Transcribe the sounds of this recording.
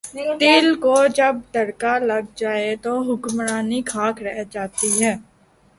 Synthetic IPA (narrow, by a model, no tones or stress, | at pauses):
t̪ɪːlkoːd͡ʒəb̚d̪əɽkaləɡ̚d͡ʒaːet̪oːɦʊkmɾaːnikʰaːkʰɾɛɦd͡ʒaːt̪iɦɛː